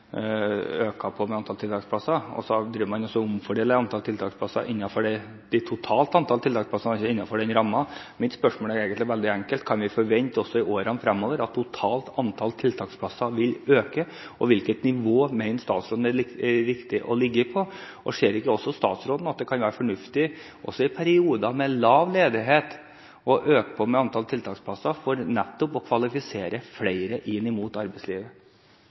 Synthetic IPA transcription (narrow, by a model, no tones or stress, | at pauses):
øːkɑpʰɔmɛɑnt̪ɑlt̪ɪlt̪ɑːksplɑsɑɔ̰sɔd̪ɾiːʋəmɑnɔsːɔʊmfɔɖeːləɾɑnt̪ɑlt̪ʰɪlt̪ʰɑːkspʰlɑsːɑ̰ʔɪnːɑfɔɖɛ | d̪̥ɪt̪ʰʊt̪ʰɑːlt̪ɑnt̪ʰɑlt̪ɪlt̪ɑkspʰlɑsɑnɪɪnːɑfɔɖɛnɾɑmːɑ | mɪt̪spœʂmoːləæɾeːɡənt̪ɪʋɛld̪ɪæŋkəlt̪kʰɑnʋɪfɔɾʋɛnt̪ɔsːɔɪʔoːɾɑnfɾɛmːoːʋəɾɑt̪ʰːʊt̪ʰɑːlt̪ʰɑnt̪ʰɑlt̪ʰɪlt̪ʰɑːkspʰlɑsɑʋɪløːkə | ɔʋɪlkət̪nɪʋoːmɛɪnst̪ɑ̰ːt̪sɾoːd̪n̩ɛɾɪkt̪ɪʔɔlɪɡːəpʰɔʔɔʂeːɾɪkːəɔsːɔst̪ɑ̰ːt̪sɾoːd̪n̩ɑt̪̚d̪ɛkʰɑnʋæːɾəfɔɳʉft̪ɪ | ʔɔ̰sːɔɪpʰæɾɪuːd̪ɑmɛlɑːʋleːd̪ɪɦeːt̪ | ɔʔøːkə̥pʰɔmɛɑnt̪ʰɑːlt̪ʰɪlt̪ʰɑːkspʰlɑsːɑfɔɾnɛt̪ːɔpɔkʰʋɑlɪfɪseːɾəflæɪɾəʔɪnːɪmuːt̪ɑɾbɛɪsliːʋə